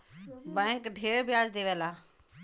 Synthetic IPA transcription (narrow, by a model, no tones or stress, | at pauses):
bɛ̃ːŋkɖʱeːɽbʱɪjaːd͡ʒd̪eːʋelaː